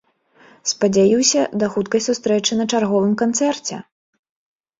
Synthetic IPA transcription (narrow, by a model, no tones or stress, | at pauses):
spɐd͡zʲajiwsʲɐd̪ɐxut̪̚kɐjsust̪ɾɛt͡ʂɨnɐt͡ʂarɣɔvɨmkant̪sɛrt͡sʲɛ̰